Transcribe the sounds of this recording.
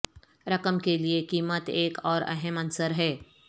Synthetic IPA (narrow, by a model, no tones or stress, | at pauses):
ɾɐkəmkeliekiːmət̪eːkɔːɾɛɦəmɐnsəɾɦɛː